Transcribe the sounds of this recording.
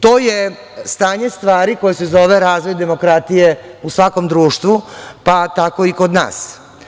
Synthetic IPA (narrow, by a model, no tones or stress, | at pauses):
t̪oːje | st̪aːɲe̞st̪ʋaːɾikojesezoʋeɾaːzʋo̞jd̪e̞mo̞kɾat̪ije̞usʋako̞md̪ɾuːʃt̪ʋupat̪ako̞iko̞d̪na̰ːs